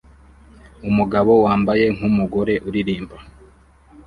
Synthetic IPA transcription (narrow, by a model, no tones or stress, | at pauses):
umuɡaβo̞waːmbaje̞ŋ̥humuɡo̞ɾe̞ʔuɾiɾiːmba